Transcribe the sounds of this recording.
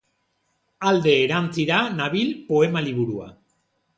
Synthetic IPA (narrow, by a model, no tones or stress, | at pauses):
ald̪e̞ːɾant͡siɾanaβilpoe̞maliβ̞uɾua̰